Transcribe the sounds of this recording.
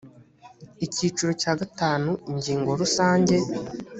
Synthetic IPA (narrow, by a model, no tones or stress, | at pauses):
iciːt͡ʃuɾocaːɡataːnuiɲɟiːŋɡo̞ɾusaːɲɟe̞